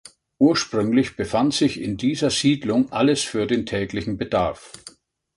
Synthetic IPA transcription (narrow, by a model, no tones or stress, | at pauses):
ʔuːɐʃpʁ̥ʏŋlɪçb̥əfantz̥ɪçɪ̰ndiːzɐz̥iːdlʊŋʔaləsfyːɐdeːntʰɛːklɪçn̩bədaɐf